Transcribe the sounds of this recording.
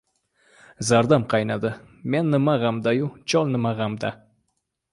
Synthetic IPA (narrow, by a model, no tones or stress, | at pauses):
zaɾd̪amqʰɑjnad̪ɪ | me̞nːɪmaʁamd̪ajʊt͡ʃʰɒlˠnɪmaʁamd̪a